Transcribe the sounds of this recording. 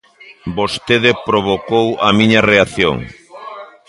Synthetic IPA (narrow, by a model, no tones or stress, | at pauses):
bost̪eðɪpɾoβokowɐmiɲɐreaθjo̰ŋ